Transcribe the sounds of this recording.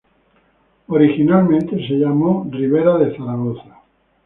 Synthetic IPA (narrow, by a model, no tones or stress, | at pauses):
oɾixinalmẽnt̪e̞se̞ʎamoriβ̞eɾaðeθaɾaɣo̞θḁ